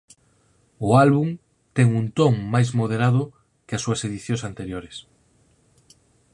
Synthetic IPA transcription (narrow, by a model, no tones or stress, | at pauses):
ʊalβuŋ | t̪ɛŋunt̪oŋmajzmoð̞eɾaðʊ | kɪasːuɐseðiθjõŋsant̪eɾjoɾɪs